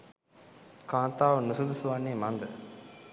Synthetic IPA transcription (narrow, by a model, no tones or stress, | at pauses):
kãːt̪aːʋənusud̪usuʋanːeːmand̪ə̰